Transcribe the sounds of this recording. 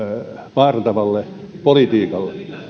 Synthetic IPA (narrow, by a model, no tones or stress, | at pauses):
ʋɑrt̪ɑʋɑlːe | polit̪iːkɑlːe